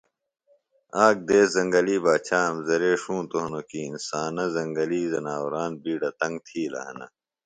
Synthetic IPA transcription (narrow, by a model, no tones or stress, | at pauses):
aːk̚d̪eːszɐŋɡɐliːbaːt͡ɕʰaːmzɐɾeːʂũːt̪oɦnokiːnsaːnɐzɐŋɡɐliːzɐnaːwɾaːnbiːɖɐt̪ɐŋɡ̚t̪ʰiːlɐ̰ɦɐnɐ̰